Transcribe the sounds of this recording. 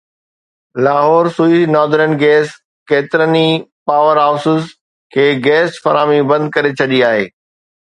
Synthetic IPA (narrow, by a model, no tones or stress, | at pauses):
laːɦɔːɾsuinɔːd̪ɾənɡɛːs | keːt̪ɪɾənipaːʋəɾaːʊsʊs | kʰeːɡɛːsfɐɾaːmibɐ̃nd̪̚kɐɾet͡ɕʰɐɗiaːɦḛː